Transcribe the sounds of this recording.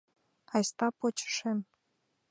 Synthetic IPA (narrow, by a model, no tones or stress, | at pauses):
ɑjst̪ɑpot͡ɕə̥ʃem